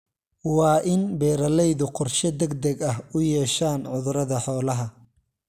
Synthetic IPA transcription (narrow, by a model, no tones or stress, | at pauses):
wɑːʔɪnbɛːɾɐlɛjðʊqɔrʃɛd̪ɐɡd̪ɐɡɐhʊjɛːʃaːnʕʊðʊɾɐðɐħɔːlɐɦɐ